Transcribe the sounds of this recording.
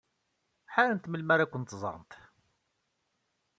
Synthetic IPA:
ħaɾənt̪məlmæɾækʷːənt̪zˤə̰ɾˤnt̪

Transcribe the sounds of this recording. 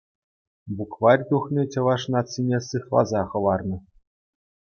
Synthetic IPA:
bukvɑrʲt̪uχnʲit͡ɕɤ̆ʋɑʂnɑt͡sːinʲesɯχlˠɑ̰zɑχɤ̆lɑrnɤ̆

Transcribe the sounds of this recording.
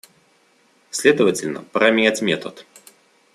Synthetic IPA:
sʲlʲed̪əvətʲɪlʲnə̰pɾɐmʲɪnʲætʲmʲet̪ət̪

